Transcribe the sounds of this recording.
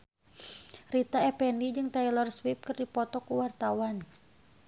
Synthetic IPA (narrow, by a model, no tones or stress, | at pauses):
rit̪aɛpɛndid͡ʒɨŋt̪ailɔrswip̚kɨrdipɔt̪ɔkuwart̪awan